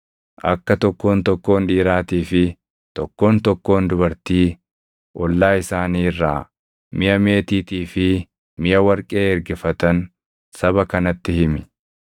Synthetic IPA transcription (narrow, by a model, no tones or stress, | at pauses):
ʔɐkːɐt̪ɔkːo̞ːnt̪ɔkːo̞ːnᶑiːɾaːt̪iːfɪ | t̪ɔkːo̞ːnt̪ɔkːo̞ːnd̪ʊbɐɾt̪iː | ʔɔlːaːɪsaːniːrːaː | mɪjɐme̞ːt̪iːt̪iːfɪ | mɪjɐwɐɾkʼe̞ːɛɾɡɛfɐt̪ɐn | sɐβɐkɐnɐt̪ːɪhɪmɪ